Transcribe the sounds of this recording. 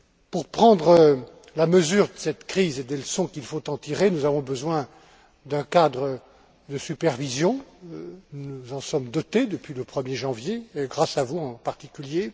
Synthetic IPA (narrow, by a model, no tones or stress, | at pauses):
puʁpχɑ̃d̪ʁə | laməzyʁd̪əsɛt̪kχized̪eləsɔ̃kʲilfot̪ɑ̃t̪iʁenuzavɔ̃bəzwɛ̃ | d̪ɛ̃kad̪ʁə | d̪əsypɛʁvizjɔ̃ | nuzɑ̃sɔmd̪ɔt̪ed̪əpɥiləpχəmjeʒɑ̃vjeɡʁasavuɑ̃paʁt̪ikʲylje